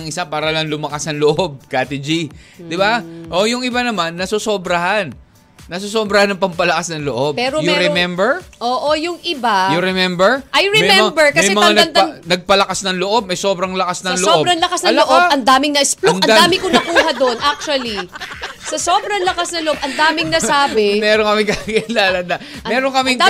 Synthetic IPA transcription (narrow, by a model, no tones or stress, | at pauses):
ŋʔɪsapaːɾɐlɐŋlʊmɐkasɐŋloʔob̚kaːt̪ɪd͡ʒi | d̪ɪbaʔo̞jʊŋɪbanɐmanːɐsosobɾɐɦanː | ɐsos̬obɾɐhanɐŋpɐmpɐlɐkasnɐŋloʔob̚pɛːɾojʊɛɾɛmɛmbɛɹʔoːʔo̞jʊŋɪbajʊɾɛmɛmbɛɹʔɐjɹɛmɛjmɛmbɛɹkmɐsmɛjɛmɐŋanɐn̚ŋnɐɡ̚pɐlɐkasnɐŋloʔo̞b̚mɐjso̞ːbɾɐŋlɐkasnɐlooːobɾɐŋlɐkasnloʔobɐnd̪aːmɪŋnɐʔɪsplonɐnaːmɪkonɐkuːɦɐd̪onʔak̚t͡ʃuɐlisɐso̞ːbɾɐŋlɐkasnɐloʔo̞b̚ʔɐnd̪aːmɪŋnɐsaːbɪmɛːɾonkɐmɪŋkɐɐɡɐlaːlɐd̪a | mɛːɾoŋkɐmɪŋ